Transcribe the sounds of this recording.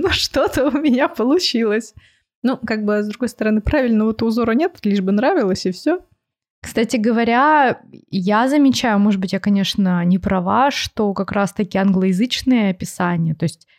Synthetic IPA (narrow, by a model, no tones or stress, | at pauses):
nuʂt̪ot̪əʊmʲɪnʲapəlˠʊt͡ɕilˠəsʲ | nukaɡ̚bɨzd̪ɾʊɡo̞jst̪əɾɐnɨpɾavʲɪlʲnəvot̪ʊːzo̞ɾənʲet̪lʲiʐbɨnɾavʲɪlˠəsʲɪfsʲo | kst̪atʲɪɡəvɐɾʲa | jazəmʲɪt͡ɕæjʊmoʐɨd̪̚bɨtʲjakɐnʲe̞ʂnənʲɪpɾɐvaʂt̪o̞kɐkɾast̪ɐkʲiɐnɡlˠəjɪzɨt͡ɕnɨjəɐpʲɪsanʲɪjət̪o̞jsʲtʲ